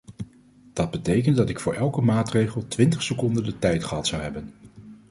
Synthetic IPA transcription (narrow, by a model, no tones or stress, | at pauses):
d̥ɑd̚bətejkəntdɑtɪkfʊːɹʔɛlˠkəmaːtrejχəlˠtʋɪntəχsəkɔndəndətɛjtχəɦɑtsɑwɦɛbən